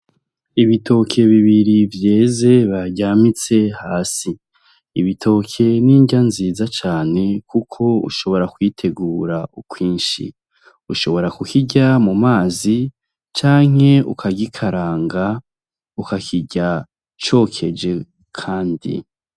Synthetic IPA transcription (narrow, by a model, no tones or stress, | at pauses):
iβitʰo̞kʰe̞βiβiɾivje̞ːze̞βaɾɟamit͡se̞haːsi | iβitʰo̞kʰe̞niːɲɟanziːzat͡ʃaːne̞kʰukʰo̞ṵʃo̞βo̞ɾakwiːtʰe̞ɡuːɾaʔukwiːnʃḭ | uʃo̞βo̞ɾakukiɟamumaːzi | t͡ʃaːŋ̥e̞ṵkʰaɡikʰaɾaːŋɡa | ukakʰiɟa | t͡ʃo̞ːkʰe̞d͡ʒe̞ | kʰaːndḭ